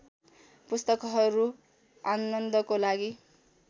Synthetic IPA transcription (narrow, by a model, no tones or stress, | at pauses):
pust̪ʌkʌɦʌɾu | anʌnd̪ʌkolaɡi